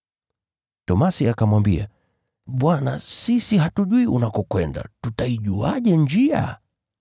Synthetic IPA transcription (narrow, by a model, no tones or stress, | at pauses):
tɔmasiakamwambia̰ | ɓwana̰sisiɦatuʄuiʔunakɔkwɛnda̰tutaiʄuaʄɛɲd͡ʒia̰